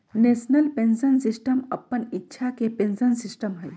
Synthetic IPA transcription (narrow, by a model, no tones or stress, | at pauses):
neːsnəlpẽnsənsisʈəməpːənitːʃʰakepẽnsənsisʈəmɦəj